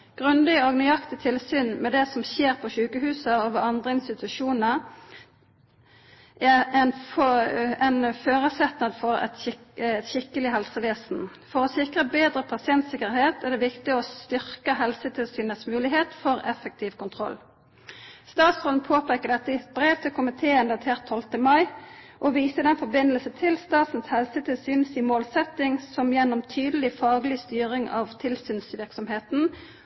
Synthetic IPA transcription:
ɡ̥ʁʉnd̪ɪoɡnɛɑkt̪ɪt̪ʰɪlsyːnmɛd̪ɛsɔmçeːʁpʰɔʃʉːkəɦʉːsəoʋəɑnd̪ʁəɪnst̪ɪt̪ʉʂuːnəʁ | ʔɛɛnfɛnføːʁəsɛt̪nəd̪fɔʁɛ̰t̪ɛt̪ɕɪkːəlɪɦɛlsəʋeːsn̩ | fɔʁɔsɪkʁəbeːd̪ʁəpʰɑsɪɛnt̪sɪkəɾheːt̪ɛʁd̪ɛʋɪkt̪ɪɔst̪ʏʁkəɦɛlsət̪ʰɪlsyːnəsmʉːlɪɦeːt̪fɔʁɛfək̚t̪ʰiːʋkʊnt̪ʰʁɔ̰lː | st̪ɑːt̪sʁoln̩pʰoːpʰeːkəd̪ɛt̪ːəɪbɾeːʋt̪ʰɪlkʰʊmɪt̪ʰeːnd̪ɑt̪ʰeːʁt̪ʰːɔlt̪əmɑɪʔɔʋiːsəd̪ɛnfɔbɪnːəlsənt̪ʰɪlst̪ɑːt̪n̩shɛlsət̪ʰɪlsyːnsɪmoːlsɛt̪ɪŋsɔmjɛnːɔmt̪ʰyːd̪əl̩ɪfɑːɡlɪst̪yːʁɪŋɑ̰ʋt̪ʰɪlsyːnsʋɪʁksɔmheːt̪n̩

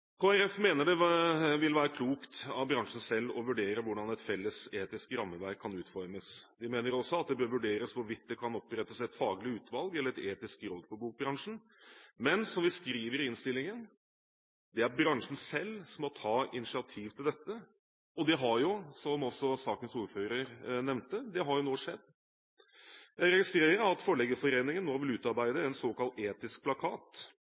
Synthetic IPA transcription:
kʰoːæɾɛfmeːnəɖɛʋɪlʋæːɾəkʰluːkt̪ɑʋbɾɑŋʂn̩sɛlːɔʋʉɖeːɾəʋʊɖɑnɛt̪fɛlːəseːt̪ɪskɾɑmːəʋæɾkʰːɑnʉːt̪fɔɾməsd̪ɪmeːnəɾɔsːɔɑt̪̚d̪ɛbøːɾʋʉɖeːɾəsʋɔʋɪt̪̚d̪ɛkʰɑnɔpːɾɛt̪ːəsɛt̪fɑːɡlɪʉːt̪ʋɑlɡɛlːəɾɛt̪eːt̪ɪskɾɔlpʰɔbuːk̚bɾɑŋʂn̩ | mɛnsɔmʋɪskɾiːʋəɾɪnst̪ɪlːɪŋən | d̪ɛæɾbɾɑŋʂn̩sɛlːsɔmɔt̪ʰɑːɪ̰nɪsɪɑt̪ʰiːʋt̪ʰɪld̪ɛt̪ːə | ɔd̪ɛɦɑɾjʊsɔmɔsɔsɑːkənsuːɾføːɾəɾnɛʋnt̪əd̪ɛɦɑɾjʊnoːʂɛd̪ː | jæɪɾɛɡɪst̪ɾeːɾəɾɑt̪fɔɭɛɡəfɔɾeːnɪŋənːoːʋɪlʉːt̪ɑɾbæɪd̪əɛnsoːkɑlt̪eːt̪ɪsk̚pʰlɑkʰɑːt̪

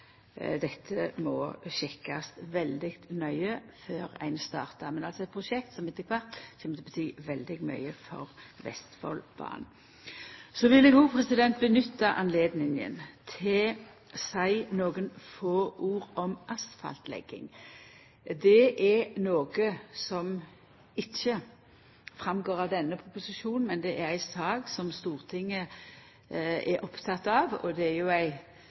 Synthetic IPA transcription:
d̪ɛt̪ʰːəmɔɕɪkːast̪ʋɛld̪ɪkt̪nœʏəføːɾæ̰ɪnst̪ɑːɾt̪ɑmɛnɑlsɔɛt̪̚pʰʁʊʃɛk̚t̪sɔmɛt̪ːəkʰʋɑɾt̪çɛmət̪ʰɛbət̪ʰyːʋɛld̪ɪɡmœ̰ʏəfɔ̰ɾʋɛ̰st̪fɔ̰lb̥ɑ̰ːn | sɔʋɪlːəɡuːpʰɾɛsɪd̪ɛnt̪̚bənʏt̪ːɑʔɑnleːd̪nɪŋə̰nt̪ʰɪl | sæɪnoːɡənfoːʔuːɾɔmʔɑst̪fɑ̰lt̪lɛ̰ɡ̥ːɪ̰ŋ | d̪ɛʔɛnoːɡəsɔm | ɪçːə | fʁɑmɡoːʁɑʋd̪ɛnːəpʰʊpʊsɪʃuːnn̩mɛnd̪ɛʔæɾæɪsɑːɡsɔmst̪uːʁt̪ʰɪŋːə | ɛɾʔɔpt̪ʰɑt̪ːɑʋɔ̰d̪ɛæɾjʊæɪ

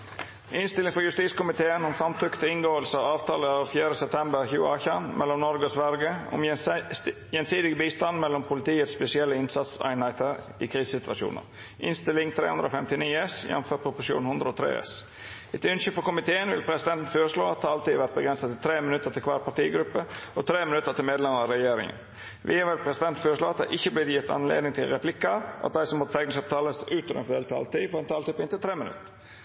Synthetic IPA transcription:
ʔɪnst̪ɪlɪŋfɔɾjʉst̪iːt̪skʊmɪt̪ʰeːənɔmsɾɑmt̪ʰɾʏkːə̥t̪əɪŋɡoːəlsəɑɑːʋt̪ʰɑːləɑːʋfjæːɾəsɛp̚t̪ʰɛmbəɾçʉ̰ːɑ̰ːçɑnmʔɛlːɔmnɔɾɡəɔsʋæɾɡəɔ̰m | jɛnsiːd̪ɪɡəbiːst̪ɑnmɛlːɔmpʰʊlɪt̪iːət̪spɛsɪɛlːəɪnsɑt̪sæ̰ɪnhæɪt̪ʰəɾ | ɪ̰kʰɾiːssɪt̪ʋɑʂṵːnə̰ɾ | ʔɪnst̪ɪlɪŋt̪ʰɾḛhʉnd̪ɾəoːfɛmt̪ɪniːɛsjɛ̰nføːɾ̚pʰʊpʊʂjṵːnhʉnd̪ɾəɔːt̪ʰɾḛːɛ̰s | ɪt̪ʏnçʏfɔkʊmɪt̪ʰeːənʋɪ̰lpʰɾɛsɪd̪ɛnt̪n̩føːɾəʂɭoːɑt̪hɑːɑlt̪iːd̪ʋæɾt̪̚bəɡɾɛnsɑt̪ɪlt̪ʰɾeːmənʉt̪ːət̪ʰɪlkʰʋɑ̰ːɾpʰɑʈ̪iːɡɾʉpːəʔɔt̪ʰɾeːmɪnʉt̪ːət̪ɪlmeːd̪lɛməɾɑɾɛjeːɾɪ̰ŋə̰n | ʋɪʋɪlpʰɾɛsɪd̪ɛnt̪n̩føːɾəʂɭoːɑt̪̚d̪æɪʔɪçːəblɪːjɪt̪ʰːɑ̰nlḛːd̪nɪŋt̪ʰɪlɾɛpʰlɪkːəʔɑ̰t̪̚d̪æɪsɔmːɔt̪t̪ʰɛknɪsɑp̚t̪ʰɑːləsʔʉːt̪ːɾə̰fd̪eːlt̪ʰɑ̰ːlt̪iːfɔɾɛnt̪ʰɑːlt̪ɪpɪnɪlt̪ʰɾeːmənʉ̰t̪ːə

